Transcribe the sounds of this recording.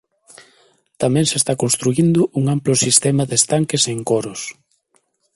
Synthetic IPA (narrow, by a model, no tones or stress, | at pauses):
t̪amɛ̃ŋsest̪akonst̪ɾuind̪ʊʔuŋamplʊsist̪ɛmɐðest̪aŋkeseŋkoɾʊs